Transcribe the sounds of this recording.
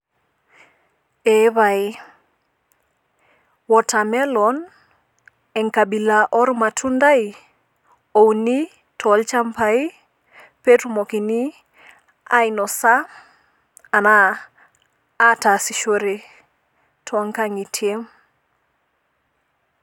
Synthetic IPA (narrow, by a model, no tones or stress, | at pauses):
eβaj | wɔtamɛlɔn | ɛŋkabilaʔɔɾmatʰundaj | owni | tʰɔlt͡ʃampai | petumokini | ajnɔsa | na | tasiʃoɾe | tʰɔŋkaŋitʰjem